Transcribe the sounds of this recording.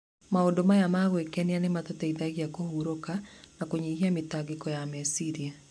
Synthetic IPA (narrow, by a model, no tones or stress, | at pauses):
maodomajamaɣwekɛnianematɔtɛiðaɣijakohuɾokanakoɲeɦiamɪtaɡɪkɔjamɛsiɾia